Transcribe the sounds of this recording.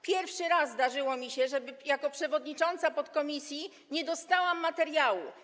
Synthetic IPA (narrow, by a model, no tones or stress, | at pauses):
pʲjɛɾfʂɘɾasːd̪aʐɘwɔmʲiɕɛʐɛbɘjakɔpʂɛvɔd̪ɲit͡ʂɔnt̪sapɔt̪kɔmʲisʲji | ɲɛd̪ɔst̪awamːat̪ɛɾjawṵ